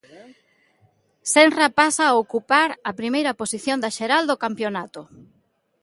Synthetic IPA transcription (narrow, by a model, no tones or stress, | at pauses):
sɛnrapasaːokupaɾɐpɾimejɾɐposiθjond̪ɐʃeɾald̪okampjonat̪ʊ